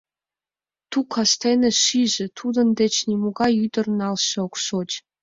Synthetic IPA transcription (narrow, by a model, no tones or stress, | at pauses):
t̪ukʰɑst̪enĕʃiʒĕt̪ʰud̪ə̆nd̪et͡ɕnʲimoɣɑjyd̪ə̆rnɑlʃɤ̆okʃotʲ